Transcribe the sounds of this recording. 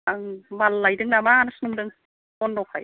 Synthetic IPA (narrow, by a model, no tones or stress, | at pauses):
aŋmalːajdɯŋnamanasnɯmdɯŋ | ɔndɔkʰaj